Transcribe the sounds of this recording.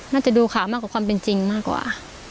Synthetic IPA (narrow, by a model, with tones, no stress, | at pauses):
maː˧˥˨t͡ɕa˨˩duː˧kʰaː˨˩˦maː˧˥˨kːkʰwa˧mpe˨nt͡ɕi˧ŋmaː˥˩kːwa̰ː˨˩